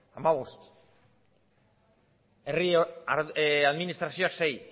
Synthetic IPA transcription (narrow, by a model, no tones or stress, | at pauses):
amaβost̪ | erioaeaðminist̪ɾasjoaksej